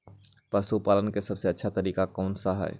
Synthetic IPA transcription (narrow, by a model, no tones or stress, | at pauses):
pəsupalənkesəbseətːʃʰat̪əɾiːkakɔːnsaɦa̰ɪ